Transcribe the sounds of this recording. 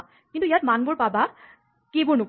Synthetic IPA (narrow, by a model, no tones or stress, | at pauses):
kintuijatmanbʊɹpaba | kebʊɹnʊk